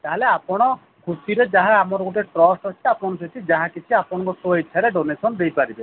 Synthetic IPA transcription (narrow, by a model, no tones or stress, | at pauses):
t̪aɦeleapɔɽ̃ɔ | kʰusiɾed͡ʒaɦãːmɔɾɔɡɔʈeʈɾɔsʈɔt͡ʃʰiapɔɔ̃ɔsʰet̪ʰid͡ʒaɦãkit͡ʃʰiapɔɽ̃ɔŋkɔsoit͡ʃʰːaɾeɖonesɔnd̪ejpaɾibe